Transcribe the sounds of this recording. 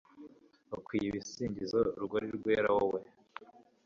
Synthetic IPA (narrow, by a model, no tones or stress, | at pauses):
okwiːjiβisiːɲɟizoɾuɡoɾiɾɡweːɾawowe